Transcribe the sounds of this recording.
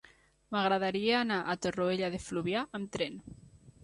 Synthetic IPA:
maɣɾaðaɾieanaʔat̪oroeʎaðefluβjaamt̪ɾen

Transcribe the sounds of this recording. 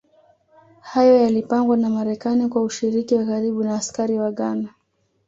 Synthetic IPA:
hajɔjalipaŋɡwanamaɾɛkanikwauʃiɾikiwakaɾiɓunaːskaɾiwaɠana

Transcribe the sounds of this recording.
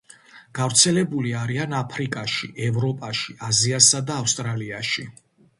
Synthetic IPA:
ɡ̥avɾt̪sʰɛlɛbuliaɾianapʰɾikʼaʃiʔɛvɾɔpʼaʃiaziasad̪aːfst̪ʼɾaliaʃi

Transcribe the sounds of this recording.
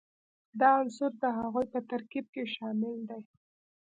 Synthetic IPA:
d̪ɑansʊɾd̪əɦaɣujpət̪aɾkib̚keʃɑmɪld̪aj

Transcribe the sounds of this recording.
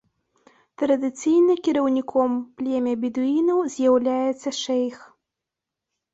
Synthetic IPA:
t̪ɾɐd̪ɨt̪sijnɨkʲiɾɐwnʲikʰɔmplʲɛmʲɐbʲid̪uinɐwzʲjawlʲajɛt̪sːɐʂɛjx

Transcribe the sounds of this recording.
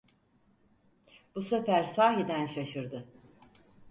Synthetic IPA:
b̥usefæɾsaːɦid̪ænʃaʃɯɾd̪ɯ

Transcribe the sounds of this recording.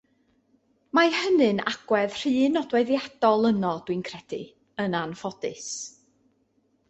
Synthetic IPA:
majhənɨna̰ɡ̥wɛð̥r̥ɨːnɔdwɛðjad̥ɔlˠənɔd̥wɨnkʰrɛd̥ɨ̰ | ənanfɔd̥ɨ̰s

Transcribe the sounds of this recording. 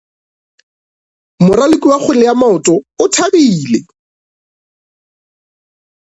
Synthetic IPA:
mʊralekʼiwaχʰʊlɪjamaʊtʼɔʊtʰabiːle

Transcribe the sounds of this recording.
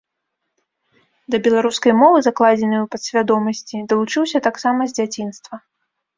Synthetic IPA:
d̪ɐbʲɛlˠaɾuskɐjmɔvɨzaklˠad͡zʲɛnɨwpɐt̪sʲvʲad̪ɔmɐsʲt͡sʲid̪ɐlˠut͡ʂɨwsʲɐt̪aksamɐzʲd͡zʲat͡sʲin̪st̪vɐ

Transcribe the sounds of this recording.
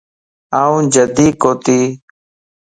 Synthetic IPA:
aːũːd͡ʒəd̪iːkoːt̪iː

